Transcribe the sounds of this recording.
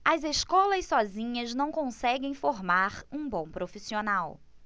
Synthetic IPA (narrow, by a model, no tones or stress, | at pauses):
ɐzeskɔlɐssɔzĩɲɐznɐ̃w̃kõsɛɡẽj̃foɾmaɾũbõw̃pɾofisionaw